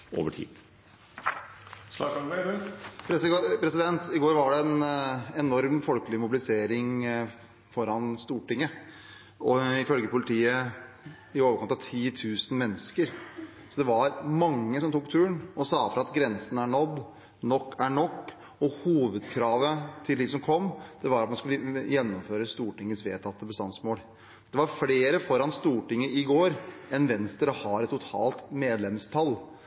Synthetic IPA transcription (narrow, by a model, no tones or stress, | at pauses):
ʔo̰ːʋəʈʰḭːd̪̥ | sɑɑ | pʰɾɛspʰɾɛsɪd̪ɛnt̪ɪɡoːɾʋɑɖɛɛnɛnɔɾmfɔlkəlɪmʊbɪlɪseːɾɪŋ | fɔɾɑnst̪uːʈɪŋːə | ʔɔɪfœlɡəpʊlɪt̪ʰiːə | ɪoːʋəɾkɑnt̪ɑʋt̪ʰiːt̪ʰʉːsn̩mɛnːəskəɾ | sɔd̪ɛʋɑɾmɑŋːəsɔmt̪ʰuːk̚t̪ʰʉːəɳɔsɑːt̪ɾɑɑt̪ɡɾɛnsənæɳɔd̪ː | nɔkːæɳɔkː | ɔhuːʋəd̪kʰɾɑːʋət̪ʰɪld̪ɪsɔmkʰɔmːd̪̥ɛʋɑɾɑt̪mɑnskʉləjɛnːɔmføːɾəst̪uːʈɪŋːəsʋeːt̪ʰɑt̪ːəbəst̪ɑnd̪smoːl | d̪̥ɛʋɑɾfleːɾəfɔɾɑnst̪uːʈɪŋːəɪɡoːɾɛnʋɛnsd̪əɾəhɑɾɛt̪ːʊt̪ʰɑ̰ːlt̪meːd̪lɛmst̪ʰɑlː